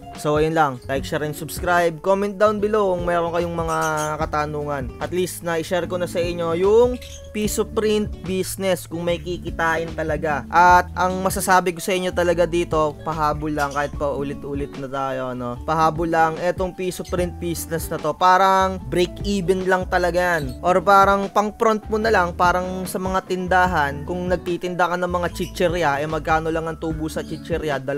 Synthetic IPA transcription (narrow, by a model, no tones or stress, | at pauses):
sowʔɐjonlɐŋlajk̚ʃɐɾɪnsʊbskɾajb̚komɛnt̪̚d̪awnbɪlokʊŋmɛːɾonkɐjoŋmɐŋakɐt̪ɐnuːŋɐnʔɐt̪list̪nɐʔɪʃɛɾkonɐsɐʔɪɲːo̞jʊŋ | piːsopɾɪnt̪̚biːsnɛskʊŋmɐjkikɪt̪aːʔɪnt̪ɐlɐɡaʔɐt̪̚ʔɐŋmɐsasaːbɪkosɐʔɪɲːo̞t̪ɐlɐɡad̪iːt̪o̞pɐɦaːbʊlːɐŋkaːhɪt̪̚pɐʔulɪt̪ʔuːlɪt̪̚nɐt̪aːjo̞ʔɐno̞pɐhaːbʊlːɐŋʔɛt̪o̞ŋpiːsopɾɪnt̪̚biːsnɛsnɐt̪o̞paːɾɐŋbɾijkʔiːbɛnlɐŋt̪ɐlɐɡajanʔoɾpaːɾɐŋpɐŋpɾont̪̚monɐlɐŋpaːɾɐŋsɐmɐŋat̪ɪnd̪aːɦɐnkʊŋnɐɡ̚t̪iːt̪ɪnd̪akɐnɐŋmɐŋat͡ʃɪt͡ʃɛɾjɐʔɛmɐɡ̚kaːno̞lɐŋɐŋt̪uːbʊsɐt͡ʃɪt͡ʃɛɾjɐd̪ɐl